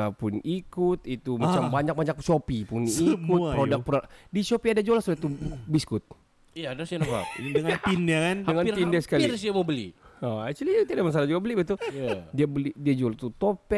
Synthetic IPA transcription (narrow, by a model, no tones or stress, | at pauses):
apʊnikʊt̪it̪umat͡ʃambaɲak̚baɲak̚t͡ʃopipʊnikutpɾodak̚pɾodit͡ʃopiadad͡ʒolasudat̪ubiskʊt̪̚ | ijadasanaa̰dəŋant̪inakandəŋanindɛsə̥kaliɾsamobəlḭəat͡ʃulit̪iadamas̬alad͡ʒuɡabəlibat̪uadiabəlidiad͡ʒolat̪ut̪opɛ